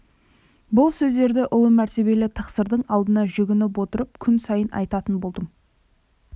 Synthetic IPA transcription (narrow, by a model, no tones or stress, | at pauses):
bʊlˠsɵzd̪e̞ɾd̪ɪʔʊlˠəmæɾt̪e̞be̞lɪt̪ʰɑqsəɾd̪əɴɑlˠd̪ənɑʒʏɡʲɪnɪp̬wo̞t̪əɾəp̚kʲʰʏnsɑjənʔɑ̰jt̪ɑt̪ənbo̞lˠd̪əm